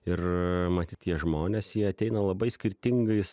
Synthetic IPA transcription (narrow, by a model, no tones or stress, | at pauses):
ɪrmɐt̪ʲiːt̪ʲtʲiɛʒmoːnʲeːsjiɛɐt̪ʲɛɪnɐlˠɐbɐɪsʲkʲɪɾʲt̪ʲɪŋɡɐɪs